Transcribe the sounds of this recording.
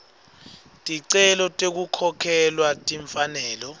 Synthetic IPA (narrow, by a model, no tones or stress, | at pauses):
tʼiǀɛlɔtʼek̬ukʰɔkʰɛlwatʼiɱfanɛːlɔ